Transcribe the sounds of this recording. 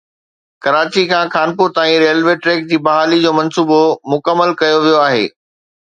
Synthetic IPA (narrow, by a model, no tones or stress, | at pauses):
kɐɾaːt͡ɕikʰãːxaːnpʊɾt̪aːĩɾeːlʋeʈɾeːk̚d͡ʑiːbɐɦaːlid͡ʑoːmɐ̃nsuːbomʊkəmːəlkɐjoʋijoaːɦḛː